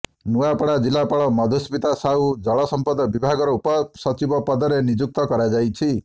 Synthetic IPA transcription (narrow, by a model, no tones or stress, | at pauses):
nuapɔɽad͡ʒilapaɭɔmɔd̪ʱuspit̪asaud͡ʒɔɭɔsɔmpɔd̪ɔbibʱaɡɔɾɔupɔsɔt͡ʃibɔpɔd̪ɔɾenid͡ʒuk̚t̪ɔkɔɾad͡ʒajt͡ʃʰi